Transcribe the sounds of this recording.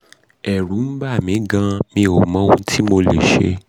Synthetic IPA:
ɛ˨ɾũ˨˦m̩˦ba˦˨mĩ˨˦ɡã˧mĩ˧o˨mɔ̃˨˦ũ˧˦tʰi˦mo˧lḛ˨ʃe˧˦

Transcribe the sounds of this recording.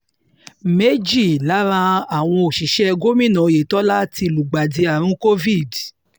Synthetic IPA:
me˦d͡ʒi˦˨la˨˦ɾ̃ã˧a˨w̃ɔ̃˧o˨ʃi˨˦ʃɛ˦˧ɡo˦mĩ˦˨nã˨˧˨je˨tɔ˦la˦ti˧˨lu˨ɡ͡ba˨di˧a˨ɾ̃ũ˦ko˦vi˦˨d

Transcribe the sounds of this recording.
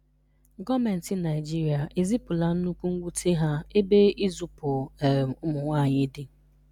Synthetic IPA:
ɡɔ˦me˨n̩˨ti˦na˨ɪ˨d͡ʒi˦ɾi˨a˨ʔe˨zi˦pʊ˨la˦n̩˦nu˦ku˦ŋ̩˦ɡʷu˦tʰi˦ɦa˦e˦be˦i˦zu˨pʊ˨ʊ˦mʊ˨ŋʷaː˦˨ɲɪ˦dɪ˦

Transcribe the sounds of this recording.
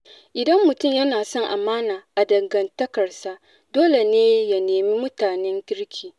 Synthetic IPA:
ʔɪ˨dɐ˦mːʊ˨tʊ˦˨mjɐ˦naː˨sɔ˦ŋʔa˨maː˦naː˨ʔa˨dɐ˨ŋɡɐ˨ntɐ˦kɐ˨rsa˨ | doː˦le˨neː˦ja˦neː˨mi˦mʊ˦taː˨nɛ˦ŋkʲɪ˦ɽkʲʰiː˨

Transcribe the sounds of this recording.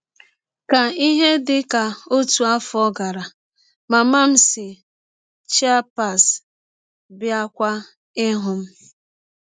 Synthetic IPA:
ka˨i˦ɦe˦dɪ˦ka˨o˦tu˨a˦fʊ˨˦ɔ˦ɡa˨ɾa˨ | ma˨ma˦m̩˦sɪ˨ | t͡ʃi˦a˦pa˨s | bja˦kʷa˦ | ɪ˦ɦʊ˨m̩˦

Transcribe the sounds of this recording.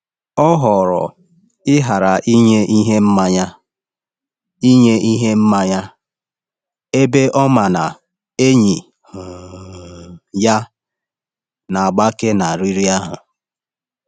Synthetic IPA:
ɔ˦ɦɔ˨ɾɔ̰˨ | ɪ˦ɦa˨ɾa˨ʔi˦ɲe˦ʔi˦ɦe˦m̩˦ma˦ɲa˦ | i˦ɲe˦i˦ɦe˦m̩˦ma˦ɲa˦ | e˦be˦ʔɔ˦ma˨na˨ | e˦ɲi˨ | hʊ˨ | ja˦ | na˨a˨ɡ͡ba˦ke˦na˨ɾi˦ɾi˦a˦ɦʊ˨

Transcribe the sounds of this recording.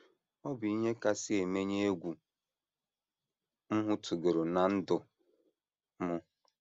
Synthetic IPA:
ɔ˦bi˦ɲe˦ka˦sɪ˦e˨me˦ɲe˦e˦ɡʷu˨ | m̩˦ɦʊ˦tʰu˨ɡe˨ɾo˨na˨n̩˦dʊ˨ | mʊ˦

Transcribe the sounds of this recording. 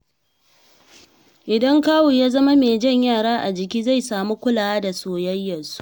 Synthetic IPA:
ʔɪ˨dɐ˦ŋkaː˦wu˨jaː˦zɐ˦ma˦meː˨d͡ʒɐ˦˨ɲjaː˦˨ɽaː˦ʔa̰˨d͡ʒɪ˨kʲiː˦za˦˨jsaː˨mu˦kʷʊ˦laː˨wa˦da˨soː˨jɐ˦jːɐ˨nzu̥˦ʔ

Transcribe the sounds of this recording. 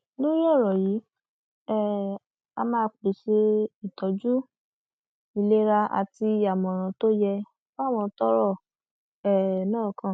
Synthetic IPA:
nõ˦ɔ˦˨ɾɔ˨ji˨˦ | ɛ˦˨ | a̰˧mãː˧k͡pi˨˦ʃe˧i˨tɔ˨˦d͡ʒu˦ | i˧le˦ɾa˧a̰˧ti˧˨a˨mɔ̃˨ɾ̃ã˨˦to˦jɛ˧ | fw̃ɔ̃˧tɔ˦ɾɔ˦˨ | ɛ˨nãː˦˨kã˦˨

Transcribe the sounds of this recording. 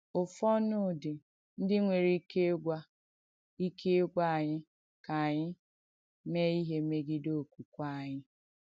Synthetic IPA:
ʊ˨fɔ˦nʊ˦˨dɪ˨ | n̩˦dɪ˦ŋʷe˨ɾi˦ke˦ɡʷa˦ | i˦kʰe˦ɡʷa˦˨ɲɪ˦ | ka˨ɲɪ˦ | me˦i˦ɦe˦me˦ɡɪ˦do˦˨kʷu˨kʷa˦a˨ɲɪ˦

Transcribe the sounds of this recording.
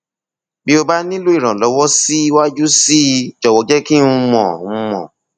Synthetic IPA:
bi˦o˧ba˦nĩ˦lo˦i˦˨ɾ̃ã˨lɔ˨˧˦wɔ˦si˦wa˦d͡ʒu˦si˦d͡ʒɔ˨wɔ˨˧d͡ʒɛ˦kĩ˦˧mɔ̰̃˨˧mɔ̰̃˨

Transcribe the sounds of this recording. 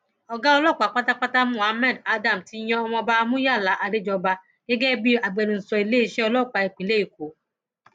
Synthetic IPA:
ɔ˧ɡa˦ɔ˧lɔ˦˨k͡pa˨k͡pa˦ta˦k͡pa˦ta˦mũ˦˨a˨˦mɛ̃˦˨da˦dã˦˨m̩˨ti˧˦j̃ɛ̃˧ɔ˧mɔ̃˧ba˧mũ˦ja˦˨la˨˦ʔa˧ɾe˦d͡ʒɔ˧ba˧ | ɡɛ˦ɡɛ˦bi˦a˨ɡ͡be˧ɾũ˨n̩˨sɔ˧i˨le˦i˦˧ʃɛ˦ɔ˧lɔ˦˨k͡pa˨˧e˨k͡pĩ˨le˦i˦˨k̚o˨˦

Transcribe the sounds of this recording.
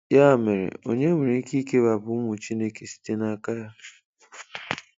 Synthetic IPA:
ja˦˨me˨ɾḛ˨o̰˨ɲe˦me˨ɾe˨˦ki˦ke˦βa˨bʊ˨ʊ˦mʊ˨t͡ʃi˦ne˦ke˨si̥˦te˦na˦˨ka˦ja˦

